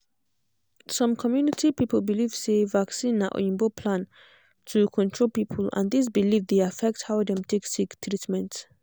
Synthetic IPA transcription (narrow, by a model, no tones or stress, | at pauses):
sʌ̃mkʰɔmjunitʰipipəlbiliv̥sevaksĩnaʔĩmbopʰlãn | tʰukʰɔ̃ntʰɹolˠpipʰəlã̰ndis̬bilivdeafɛk̚thawdɛ̃mtʰeksikt̪ʰɹitmɛ̃nt